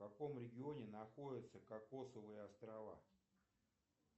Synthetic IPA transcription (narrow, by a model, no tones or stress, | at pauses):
kɐko̞mɾʲɪɡʲɪo̞nʲɪnɐxo̞dʲɪt̪səkakːo̞səvəjəɐst̪ɾɐva̰